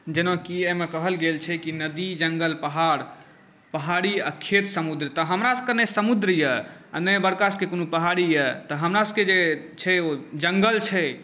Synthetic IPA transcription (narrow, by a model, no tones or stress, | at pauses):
d͡ʒenõkiemekəɦəlɡelt͡ʃʰɛkinəd̪id͡ʒəŋɡəlpəɦaɾ | pəɦaɽiakʰet̪səmud̪ɾt̪əɦəmɾasə̥kənesəmud̪ɾjəa̰nəjbəɾkaskekonopəɦaɾijət̪əɦəmɾasə̥ked͡ʒe | t͡ʃʰɛod͡ʒəŋɡəlt͡ʃʰɛ